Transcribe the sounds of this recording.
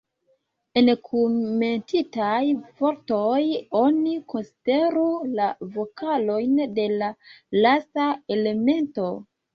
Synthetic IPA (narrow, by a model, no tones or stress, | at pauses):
enkʰome̞ntitajvo̞ɾtojo̞niko̞nside̞ɾulavo̞kʰalo̞jnde̞lalastae̞le̞me̞nto̞